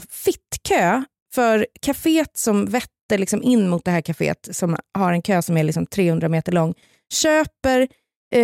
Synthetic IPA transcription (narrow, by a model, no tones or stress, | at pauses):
fɪt̪ːkʰøː | fœɾkʰafeːt̪sɔmvɛt̪ːəɭɪksɔmɪnːmʊt̪̚d̪ɛhæːɾkʰafḛːt̪sɔmhaɾɛnkʰøːsɔmæɾɭɪksɔmt̪ʰɾeːhɵnd̪ɾameːt̪əɭɔŋː | ɕøːpəɾ